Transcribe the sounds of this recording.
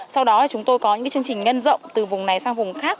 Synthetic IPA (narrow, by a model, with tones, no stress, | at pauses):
sa˧wɗɔ˨˦laː˨˩t͡ɕʊ˨˦ŋ͡mt̪o˧jkɔ˨˦ɲɨ̰˧˥aː˨˦t͡ɕɨ˧əŋt͡ɕï˨˩ŋ̟ŋə˧nzə̰˧˨wŋ͡mt̪ɨ˨˩vʊ˨˩ŋ͡mna˨˩jsaː˧ŋvʊ˨˩ŋ͡mxaː˦˥k̚